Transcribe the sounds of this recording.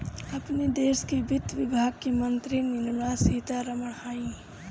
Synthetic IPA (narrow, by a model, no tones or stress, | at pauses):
ɐpned̪eːskebɪt̪ʋɪbʱaːɡ̚kemənt̪ɾinɪnmɽaːsiːt̪aɾəməɽhaːĩ